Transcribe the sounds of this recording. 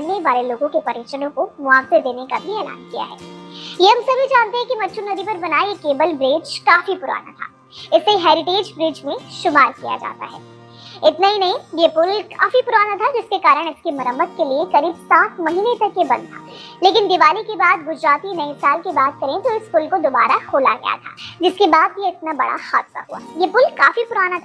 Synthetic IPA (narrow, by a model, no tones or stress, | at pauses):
ɐnːeʋaːleloːɡõkepɐɾiːt͡ʃənõkomʊaːsɪɾd̪eːnekabʱiɛːla̰ːnkija̰ɦɛ̰ːjeɦɐ̃msɐbʱid͡ʒaːnt̪eɦɛ̃kimɐtːʃʰunɐd̪ʱipɐɾbɐnaːijekeːbəlbɾeːd͡ʒkaːfipʊɾa̰ːna̰t̪ʰa̰ː | ɪseɦɛːɾɪʈeːd͡ʒbɾiːd͡ʒmẽʃʊmaːɾkija̰d͡ʒa̰ːt̪a̰ɦɛ̰ː | ɪt̪naɦinɐĩjepʊlkaːfipʊɾaːnat̪ʰad͡ʒɪskekaːɾəɽ̃ɪskemɐɾəmːət̪keliekɐɾiːbsaːt̪mɐɦiːnẽt̪ɐkjebɐ̰̃nd̪t̪ʰaːleːkɪnd̪ɪʋaːlikebaːd̪ɡʊd͡ʒɾaːt̪inɐisaːlkebaːt̪̚kɐɾẽt̪oɪspʊlkod̪obaːɾaxoːla̰ɡɐ̰ja̰t̪ʰa̰ːd͡ʒɪskebaːd̪jeɪt̪nabɐ̰ɽa̰xaːt̪sa̰ɦua̰ːjepʊlkaːfipʊɾaːnat̪ʰa